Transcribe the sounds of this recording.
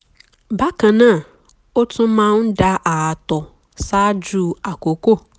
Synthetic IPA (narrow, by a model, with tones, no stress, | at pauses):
ba˦kã˨nã˦˨ | ʊ˦tʰʊ̃˦mã˦n̩˦da˦ʔa˨tɔ˨ | sa˦d͡ʒu˦˨a˨ko˨ko˦